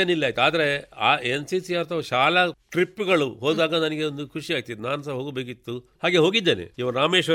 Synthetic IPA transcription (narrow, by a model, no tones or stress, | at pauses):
eːnilːaːjt̪eaːd̪ɐɾe̞aːensisiaːɾt̪ʰɐʋɐʃaːlɐʈɾipːuɡɐɭuɦo̞ːd̪aːɡɐnɐniɡeond̪ukʰuʂiaːɡ̚t̪iinaːnɐsɐɦo̞ːɡbeːk̬it̪ːuhaːɡe̞ɦo̞ːɡid̪ːeːnḛiʋɐɾaːmeːʃʋɐ